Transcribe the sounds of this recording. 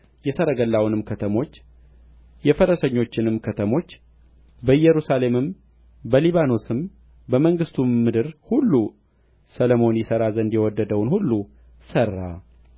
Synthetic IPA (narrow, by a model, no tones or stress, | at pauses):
jɛsəɾəɡəlːawnɨmkʰət̪ʰəmo̞t͡ʃː | jɛfəɾəsəɲːo̞t͡ʃːɪnɨmkʰət̪ʰəmo̞t͡ʃː | bəjɛɾusale̞mɨm | bəliβano̞sɨm | bəməŋɡɨst̪ʰumːɨd̪ɨɾhulːu | sələmo̞njɪsəɾazənd̪jɛwɔd̪ːəd̪əwnhulːu | sərːa